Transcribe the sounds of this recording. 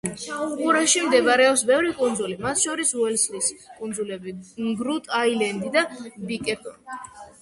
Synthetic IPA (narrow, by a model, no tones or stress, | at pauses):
ʃauqʼuɾaʃimd̪ɛvaɾɛɔpsbɛvɾikʼund̪zulimat̪ʰʃɔɾisuwɛlsliskʼund̪zulɛbiɡɾut̪ʼajlɛnd̪id̪abikʼɛpʰɔ̰ni